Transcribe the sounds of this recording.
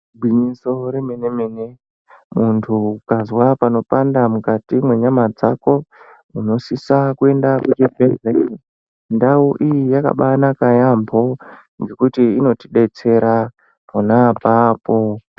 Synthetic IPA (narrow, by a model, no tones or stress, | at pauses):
bʱwiɲiso̞ɾemene̞mene̞ | muntʰukazwapano̞pandamukatimwe̞ɲamad͡zako̞ | uno̞sisakue̞ndakut͡ʃebʱee | ndauʔijijaka̰ɓanakajambo̞ | ŋɡe̞kutiino̞tiɗe̞t͡se̞ɾa | monapaːpo